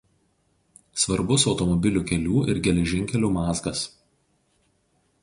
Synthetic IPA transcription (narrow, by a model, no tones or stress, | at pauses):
sʋɐɾbʊsɒʊt̪ɔmɔbʲɪlʲuːˑkʲɛlʲuːɪɾɡʲɛlʲɛʒʲɪŋʲkʲɛlʲuːmɑːzɡɐs